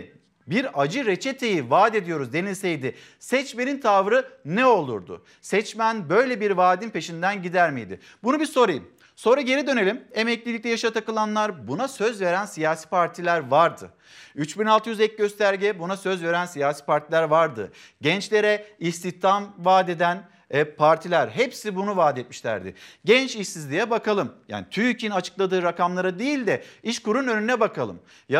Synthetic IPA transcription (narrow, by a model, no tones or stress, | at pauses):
biɾad͡ʒɯɾet͡ʃʰet̪ʰe̞jivaːd̪e̞d̪ijo̞ɾuzd̪e̞nilʲsejd̪ɪ | sɛt͡ʃme̞nint̪ʰavɾɯnɛo̞lˠṵɾd̪ʊ̰ | sɛt͡ʃmænbø̞jlʲebiɾvaːd̪inpʰe̞ʃind̪ænɟid̪æɾmḭjd̪ɪ̰ | bunubiso̞ɾajɯm | so̞nɾaɟe̞ɾid̪ø̞ne̞lʲimemɛclʲilʲic̚t̪ɛjaʃat̪ʰakɯlˠanlˠaɾbunasø̞zve̞ɾænsijaːsiːpʰaɾt̪ʰilʲæɾvaɾd̪ɯ̰ | yt͡ʃbinalˠt̪ʰɯjyzɛc̚ɟø̞st̪ʰæɾɟɛbunasø̞zve̞ɾænsijaːsi̥ːpaɾt̪ʰilʲæɾvaɾd̪ɯ̰ | ɟɛnt͡ʃlʲe̞ɾɛist̪iht̪ʰamvaːd̪e̞d̪æn | pʰaɾt̪ʰilʲæɾɦepsibunuvaːd̪et̪̚miʃlʲæ̰ɾd̪ɪ̰ɟɛnt͡ʃiʃsizlʲijɛbakʰalˠɯmja̰ːnit̪ʰyjycʰinat͡ʃʰɯ̥klˠad̪ɯːɾakʰamlˠaɾad̪ejilʲd̪ɛiʃkuɾunø̞nynɛbakʰalˠɯ̰m | ja